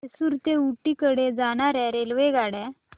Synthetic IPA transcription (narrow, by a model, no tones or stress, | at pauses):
suɾt̪euʈːikəɽed͡zaɽ̃aɾɛ̃ɾelʋeɡaɽɛ